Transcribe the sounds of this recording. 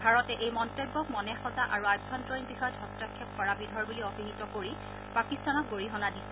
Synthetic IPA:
bʱaɹɔtɛʔejmɔntebːɔkmɔnɛxɔzaʔaɹuabʱbɔntɹɔinbixɔjɔdʱɔstakʰːɛp̚kɔɹabidʱɔɹbuliɔbiɦitɔkoɹi | pakistanɔk̚ɡoɹiɦɔnadi

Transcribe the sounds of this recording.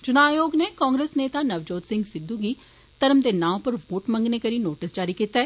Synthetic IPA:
t͡ʃʊnaːjoːɡneːkãːŋɡɾeːsneːt̪aːnəʋd͡ʒoːt̪sɪ̃ŋɡsɪd̪uːɡiː | t̪əɾəmd̪eːnãːpəɾʋoːʈmə̃ŋɡneːkəɾiːnoːʈɪsd͡ʒaːɾiːkiːt̪aɛː

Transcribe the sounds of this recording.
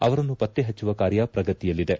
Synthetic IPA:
ɐʋɐɾɐnːupɐt̪ːeɦɐt͡ʃːuʋɐkaːɾjɐpɾɐɡɐt̪ijɐlːid̪e̞

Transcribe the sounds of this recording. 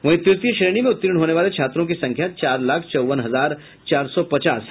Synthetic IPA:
ʋɐɦɪt̪jʊt̪jəʃɾeːɽ̃imẽʊt̪ːɪɾɪɽ̃ɦoːneʋaːlet͡ʃʰaːt̪ɾõk̬isɐ̃ŋkʰjat͡ʃaːɾlaːkʰt͡ʃɔːʋənɦɐzaːɾ | t͡ʃaːɾsɔpɐt͡ʃaːs

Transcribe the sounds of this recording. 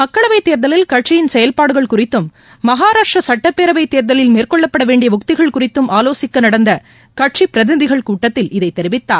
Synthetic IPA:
mɐkːɐɭɐʋɐɪt̪ːeːɾðɐlɪlkɐʈ̚t͡ʃɪjɪnsɛjɐlpaːɽɯɣɐɭkʊrɪt̪ːɯmː | ɐɦaːɾaːʂrɐsɐʈːɐpːeːɾɐʋɐɪt̪ːeːɾðɐlɪlmeːrkɔɭːɐpːɐɽɐʋeːɳɖɪjɐʋʊkt̪ɪɣɐɭkʊrɪt̪ːɯmʔaːloːsɪkːɐnɐɽɐnd̪ɐ | kɐʈʂipɪɾɐðɪnɐðɪɣɐɭkuːʈːɐt̪ːɪlʔɪðɐɪt̪ːɛɾɪʋɪt̪ːaː

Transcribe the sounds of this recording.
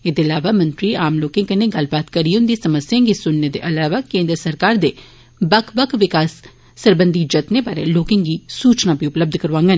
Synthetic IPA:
eːd̪eəlaːʋaːmə̃nt̪ɾiːaːmloːkẽŋkəneɡɐlbaːt̪kəɾiʊnd̪isɐməsjãːɡisʊnned̪eʔɐlaːʋaːkẽːnd̪ɾəsəɾkaːɾd̪eː | bəkʰbəkʰʋɪkaːsː | əɾbə̃nd̪id͡ʒət̪nebaːɾḛloːkẽŋɡiːsuːt͡ʃnabʱiʊpləb̚d̪ʱkəɾʋãːŋɡən

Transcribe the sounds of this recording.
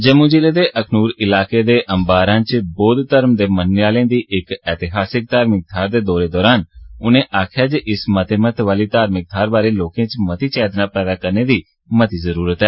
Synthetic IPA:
d͡ʒəmũːd͡ʒileːd̪eːʔəkʰnuːɾɪlaːkeːd̪eːʔə̃mbaːɾãːt͡ʃboːd̪t̪əɾmd̪eːmənɪjaːlẽːd̪iːʔɪkɛːt̪ɪɦaːsɪk̚t̪aːɾmɪk̚d̪ʱaːɾd̪eːd̪ɔːɾeːd̪ɔːɾaːnʊnẽːʔaːkʰjaːd͡ʒʔɪsmət̪eːmət̪ʰʋaːliːt̪aːɾmɪk̚d̪ʱaːɾbaːɾeːloːkẽːt͡ʃmət̪iːt͡ʃɛːd̪napɛːd̪aːkəɾneːd̪iː | mət̪iːzəɾuːɾət̪ɦɛː

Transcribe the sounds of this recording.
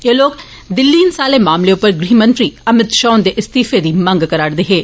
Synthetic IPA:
eːloːk | d̪ɪlːiːnsaːlemaːmleʊpəɾɡɾiːmə̃nt̪ɾiːɐmɪt̪ʃɔːnd̪eːʔɪst̪iːfed̪iːmɐ̃ŋɡkəɾaːɽd̪eːɦeː

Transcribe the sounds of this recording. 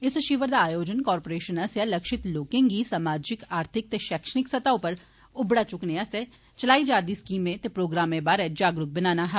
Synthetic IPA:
ɪsəʃiːʋəɾd̪aːjoːd͡ʒənkɔːɾpoːɾeːʃənɐsjaləkʃɪt̪loːkẽŋɡiːsaːmaːd͡ʒɪkaːɾt̪ʰɪk̚t̪eːʃɛːkʃənɪksɐt̪aːõpəɾ | ʊbɽaːt͡ʃʊknease | t͡ʃəlaːiːd͡ʒaːɾd̪iːskiːmẽt̪eːpɾoːɡɾaːmẽbaːɾɛd͡ʒaːɡɾʊk̚bɪnaːnaːɦa

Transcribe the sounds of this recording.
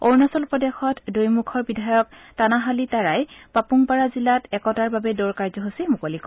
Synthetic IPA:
oɹnɔsɔlpɹɔdexɔtdojmukʰɔɹbidʱajɔktanaɦalitaɹajpapuŋpaɹazilatɛkɔtaɹbabɛdɔɹkaɹzɔɦosimukolikɔ

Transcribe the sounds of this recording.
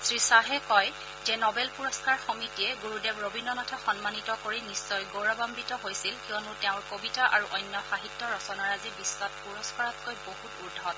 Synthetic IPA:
sɹisaɦɛkɔj | zɛnɔbɛlpuɹɔskaɹxɔmitiɛɡuɹudɛbɹobinɔnɔtʰaxɔnmanitɔkoɹinisːɔjɡoɹabambitɔɦojsilkijɔnutɛʊ̃ɹkobitaʔaɹuʔɔjnjɔxaɦitːɔɹɔsɔnaɹazibisːwat̚puɹɔskɔɹɔt̚kojboɦutuɹdʱɔt

